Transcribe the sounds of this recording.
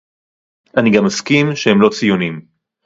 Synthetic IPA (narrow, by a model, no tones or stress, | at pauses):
ʔaniɡamːaskimʃehemlo̞t͡sijunim